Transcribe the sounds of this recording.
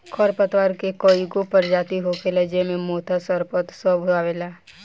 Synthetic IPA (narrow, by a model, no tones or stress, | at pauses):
kʰɔɾpət̪ʋəɾkekoːiɡopəɾd͡ʒaːt̪iɦokeləd͡ʒemẽmoːt̪ʰasəɾpət̪səbʱaːʋeːlaː